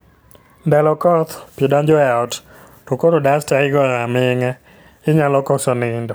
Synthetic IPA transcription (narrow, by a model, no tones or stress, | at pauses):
ndɛlɔkɔt̪pidɔɲd͡ʒɔɛɔt | tokoɾodastaɪɡɔɾamɪŋɛ | ɪɲalɔkɔsɔnɪndɔ